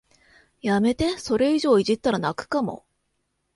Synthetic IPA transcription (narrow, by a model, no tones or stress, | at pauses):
jame̞t̪e̞so̞ɾe̞iʑo̞ːiʑit̪ːaɾanakɯ̥kamo̞̰